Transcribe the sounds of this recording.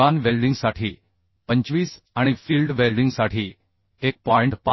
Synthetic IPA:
anʋelɖĩŋɡsaʈʰiː | pə̃ɲt͡ʃʋiːs | aɽ̃ifiːlɖʋelɖĩŋɡsaʈʰiː | ek̚pɔɪɳʈpa

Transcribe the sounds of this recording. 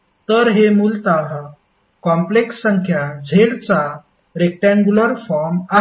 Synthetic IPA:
t̪əɾɦemuːlt̪aa | kɔ̃mpleksːəŋkʰjad͡zʱeɽt͡sa | ɾek̚ʈãŋɡuləɾfɔɾma

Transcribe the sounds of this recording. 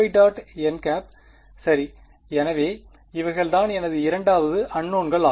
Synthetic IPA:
ɪɖaːʈɛnkaːp̚ | sɐɾi | ɛnɐʋeː | ɪʋɐɪɣɐɭt̪aːnɛnɐðɯɪɾɐɳɖaːʋɐðɯʔɐɳːoːnɡɐɭaː

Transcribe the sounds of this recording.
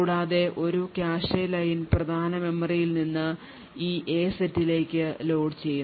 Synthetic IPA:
uːɽaːðe̞ʔo̞ɾukʲjaːɕɐjlɐjinprɐd̪ʱaːnɐme̞mːɐrijilninːɨ | iːʔe̞ːsetːile̞ːkʲːɨlo̞ːɖt͡ɕe̞jːun

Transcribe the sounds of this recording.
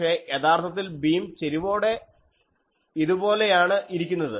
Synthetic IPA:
e̞jet̪ʰaːrt̪ʰɐt̪̬ːilbiːmt͡ɕe̞ɾiʋo̞ːɽe̞ | iðubo̞ːle̞jaːɳɨʔiɾik̬ʲːunːɐðɨ

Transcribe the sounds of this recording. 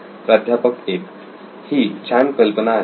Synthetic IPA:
pɾad̪ʱjapəkek̚ | hit͡ɕʰankəlpəna

